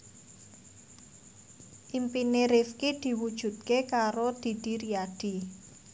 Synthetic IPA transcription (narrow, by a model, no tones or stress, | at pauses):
ʔimpineɾifkid̪̥i̤wud̥ʒ̥ṳd̪̚kekaɾod̪̥i̤d̪̥i̤ɾiad̪̥i̤